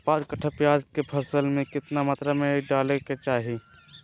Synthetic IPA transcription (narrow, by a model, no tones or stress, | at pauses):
paːd̪kəʈʰəpjaːd͡ʒkepʰəsəlmẽkɪt̪namat̪ɾamẽɖaːleket͡ʃaːɦi